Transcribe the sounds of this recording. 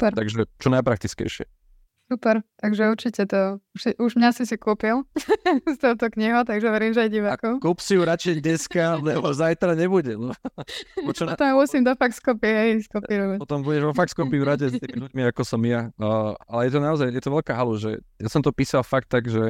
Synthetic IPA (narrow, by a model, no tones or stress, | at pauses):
upɛɾt̪aɡʒɛt͡ʃɔnajpɾakt̪it͡skɛ̰jʃɪɛ̰ | supɛɾt̪aɡʒɛuɾt͡ʃicɛt̪ɔuʃsiʔuʒmɲasisikuːpilst̪ɔt̪ɔkɲiɦɔʊt̪aɡʒɛʋɛɾiːmʒɛajɟiʋaːkɔʊkupsijuɾat͡ʃɛɲɛskalɛbɔzajt̪ɾaɲɛbuɟɛnɔ | t͡ʃt̪ɔmamusimd̪ɔfakskɔpiɦɛjskɔpiɾɔʋaɔt̪ɔmbuɟɛʒʋɔfakskɔpivɾaɟɛst̪imiluɟmiakɔsɔmjaalɛjɛt̪ɔnaɔzajjɛt̪ɔʋɛʎkaɦaluʒɛ̰jasɔmt̪ɔpiːsalfak̚t̪ːaɡʒɛ